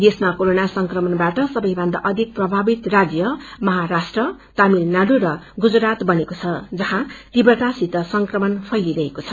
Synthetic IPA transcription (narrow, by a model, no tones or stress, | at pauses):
d̪esmakoɾonasʌŋkrʌmʌnbaʈʌsʌbʌjbʱʌ̃nd̪a̰ʔʌd̪ʱik̚prʌbʱabit̪rad͡zjʌmʌɦaɾasʈrʌt̪amilnaɽuɾʌɡud͡zɾat̪bʌnekot͡sʰʌd͡zʌɦãt̪ibrʌt̪asit̪ʌsʌŋkrʌmʌnpʰʌjliɾʌɦekot͡sʰʌ